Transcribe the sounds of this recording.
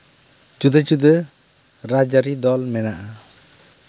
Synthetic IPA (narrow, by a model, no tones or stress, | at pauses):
d͡ʒud̪əd͡ʒud̪ə | ɾad͡ʒaɾid̪ɔlmɛnaʔa